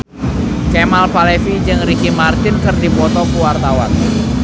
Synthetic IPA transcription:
kemalpalefid͡ʒɨŋrikimart̪ɪnkɨrdipɔt̪ɔkuwart̪awan

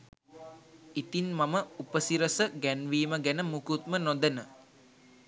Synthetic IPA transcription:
it̪inmaməupəsiɾəsəɡænʋiːməɡænəmukut̪̚mənod̪ənə

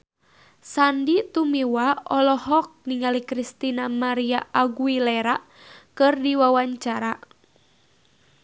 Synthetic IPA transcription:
sandit̪umiwaɔlɔhɔk̚niŋalikɾist̪inamaɾiaʔaɡuilɛɾa | kɨrdiwawaɲt͡ʃaɾa

